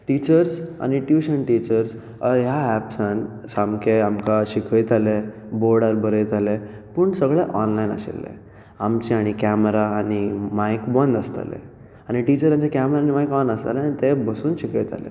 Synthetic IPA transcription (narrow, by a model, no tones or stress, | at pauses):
ʈit͡ɕəɾsa̰ɽ̃niʈjuɕənʈit͡ɕəɾs | ɦjaæpsãn | samkʰeamkaɕikʰəjt̪ale | boɾɽəɾbəɾəjt̪ale | pəɳsəɡɭeʔɔnlajna̰ɕḛlːḛ | amt͡ɕeaɽ̃ikæmɾaːɽ̃imajkbənd̪əst̪a̰lḛ | aɽ̃iʈit͡ɕəɾjãɲt͡ɕakæmɾaːñimajkbãnd̪əst̪aleanit̪ebəsuːnɕikʰəjt̪a̰lḛ